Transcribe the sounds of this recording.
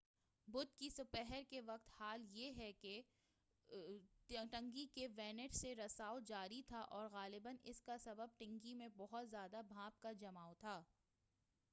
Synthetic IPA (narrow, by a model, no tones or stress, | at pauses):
bʊd̪̚kisʊpɛɦɛɾkeʋɐq̚t̪haːljeɦɛke | ʈɐ̃ŋɡikeʋɛːnɪʈseɾɐsaːod͡ʒaːɾit̪ʰaʔɔːɾɣaːlɪbənɪ̰skasɐbəb̚ʈɪ̃ŋɡimẽbɔɦʊt̪zjaːd̪abʱãːp̚kad͡ʒɐmaːot̪ʰaː